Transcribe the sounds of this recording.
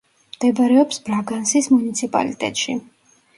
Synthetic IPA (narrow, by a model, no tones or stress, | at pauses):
md̪̥ɛbɾɛɔpsbɾaɡansismunit̪sʰipʼa̰lḭt̪ʼɛ̰t̪ʼʃḭ